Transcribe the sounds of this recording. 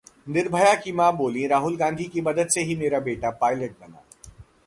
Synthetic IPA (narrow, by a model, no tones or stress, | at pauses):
nɪɾbʱəjakimãːboːlĩɾaːɦʊlɡãːnd̪ʱikimɐd̪əd̪seɦimeːɾabeːʈapaːɪləʈ̚bɐna̰ː